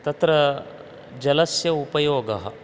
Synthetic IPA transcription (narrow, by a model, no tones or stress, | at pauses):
t̪ɐt̪ɾɐ | d͡ʒɐlɐsjɐupɐjoːɡɐɦɐ̰